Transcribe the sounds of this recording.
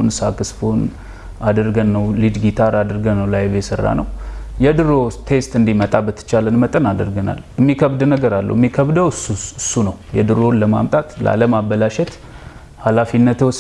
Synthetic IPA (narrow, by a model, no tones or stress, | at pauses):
nsakɨsfon | ad̪əɾɡənːəwlɨd͡ʒɡit̪ʰaɾad̪əɾɡənːəwlajβjɛsərːa̰nə̰wjɛd̪ɨɾot̪ʰe̞st̪ɨnd̪imət̪ʼabət̪ʰːɨ̥t͡ʃalənmət̪ʼənad̪ə̰ɾɡəna̰lɪmːikʰəβd̪nəɡəɾalːə̰wmːikʰəβd̪əwɨsuɨsːunəwjɛd̪ɨɾonləma̰mt̪ʼat̪lʔa̰ləmabːəlaʃɛt̪ | halafinːət̪ws